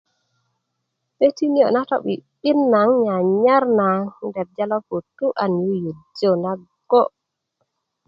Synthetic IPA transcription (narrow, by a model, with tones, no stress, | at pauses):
be˦ti˦ni˦jo̰˨na˦to̰˦ɓi˨ɓi˦nːa˨˦ŋɲa˨ɲa˦ɾna˨dɛ˨b̚d͡ʒa˦lo˦po˨tːu˦ʔa˨nju˦ju˨d͡ʒo˦˨na˦ | ɡ̥o˦